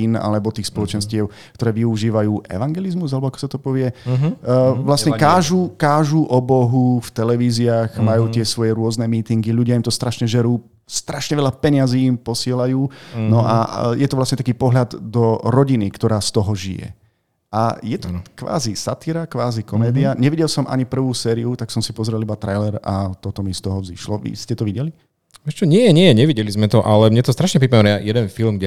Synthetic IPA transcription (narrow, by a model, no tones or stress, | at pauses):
ina̰lɛbɔt̪iːxspɔlɔt͡ʃɛnscɪɛʊ | kt̪ɔɾɛːʋiuʒiːʋajuːʔɛ̰ʋaŋɡɛlizmuzalɛbɔakɔ̥sat̪ɔpɔʋɪɛ | ʋlasɲɛkaːʒukaːʒuʔɔbɔɦuft̪ɛlɛʋiːziaːɣmajuːt̪ɪɛsʋɔjɛɾʊɔznɛmiːt̪iŋɡiʎuɟɪaimt̪ɔst̪ɾaʃɲɛʒɛɾuː | st̪ɾaʃɲɛʋɛʎapɛɲaziːmpɔsɪɛlajuːnɔʔa̰jɛt̪ɔʋlasɲɛt̪akiːpɔɦʎad̪d̪ɔɾɔɟinikt̪ɔɾaːst̪ɔɦɔʒijɛ̰ | ajɛt̪ɔkʋa̰ːzisat̪iɾakʋaːzikɔmɛːd̪iaɲɛʋiɟɛlsɔmʔa̰ɲipr̩ʋuːsɛːɾiut̪aksɔmsipɔzɾɛlibat̪ɾajlɛɾat̪ɔt̪ɔmist̪ɔɦɔzḭʃlɔʋḭscɛt̪ɔʋiɟɛli | ʋɛːʃt͡ʃɔɲɪɛjɛɲɪɛɛɲɛʋiɟɛlizmɛt̪ɔʔalɛmɲɛt̪ɔst̪ɾaʃɲɛpɾipmaɛnjajɛd̪ɛnfilmɡɟɛ